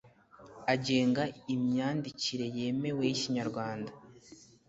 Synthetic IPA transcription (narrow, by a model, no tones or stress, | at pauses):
aɟe̞ːŋɡaimɲaːndiciɾe̞je̞ːme̞we̞jiciɲaɾɡwaːnda